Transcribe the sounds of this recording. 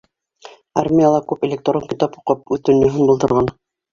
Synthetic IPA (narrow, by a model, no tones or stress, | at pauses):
armʲijalˠɑkʉpelʲekt̪oɾoŋkit̪ɑpuqɤp̚ʉθt̪ɵ̆njɵ̆ɦɤnbŏlˠt̪ɤ̆ɾʁɑn